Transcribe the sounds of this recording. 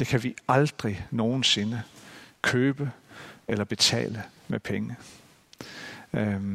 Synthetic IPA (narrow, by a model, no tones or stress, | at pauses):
d̥e̝kʰæʋiɑ̈ld̥ʁino̝ːn̩se̝nəkʰøːb̥əelɐb̥e̝t͡sʰɛ̰ːləmepʰeŋə